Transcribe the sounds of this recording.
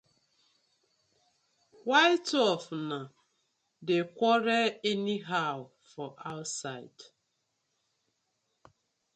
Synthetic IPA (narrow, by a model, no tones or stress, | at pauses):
waɪtɔfna | dekʷɔɾɛɛniɦaw | fɔʔaʊtsaɪd̥